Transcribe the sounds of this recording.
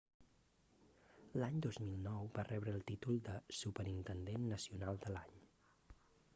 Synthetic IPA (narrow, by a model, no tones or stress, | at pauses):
laɲd̪ozmilˠnɔwbarɛβɾəːlˠt̪it̪ulˠd̪əsupəɾint̪ənd̪enːəsiunalˠd̪əlaɲ